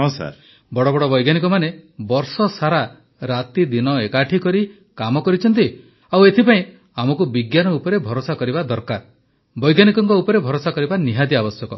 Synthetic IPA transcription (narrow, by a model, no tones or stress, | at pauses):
ɦɔ̃sa̰ɾ | bɔɽɔbɔɽɔbɔjɡanikɔmanebɔɾsɔsaɾa | ɾat̪id̪inɔekaʈʰikɔɾi | kamɔkɔɾit͡ʃʰɔnt̪̬i | awet̪ʰipaĩ | amɔkubiɡjanɔupɔɾebʱɔɾosakɔɾibad̪ɔɾkaɾ | bɔjɡanikɔŋkɔupɔɾebʱɔɾosakɔɾibaniɦad̪iabɔsjɔkɔ